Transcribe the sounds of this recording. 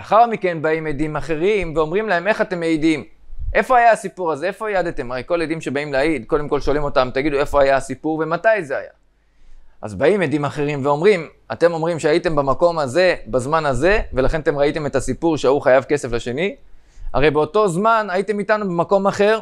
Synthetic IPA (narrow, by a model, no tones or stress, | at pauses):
aχaʁmike̞nbaimedimaχe̞ʁimveo̞mʁimlae̞me̞χatemeidim | ʔe̞fo̞ajaasipuʁaze̞efo̞jad̪et̪e̞maʁejko̞led̪imʃe̞baimleaid̪ko̞demko̞lʃolimo̞t̪amt̪aɡid̪ue̞fo̞ajaasipuʁve̞matajze̞a̰ja̰ | ʔa̰zbaimed̪imaχe̞ʁimveo̞mʁim | ate̞mo̞mʁimʃeaite̞mbamako̞maze̞bazmanaze̞ve̞laχenat̪e̞mʁaite̞me̞tasipuʁʃeauχajavke̞se̞flaʃe̞ni | a̰ʁe̞jbe̞o̞to̞zmanajite̞mitanubemako̞maχe̞ʁ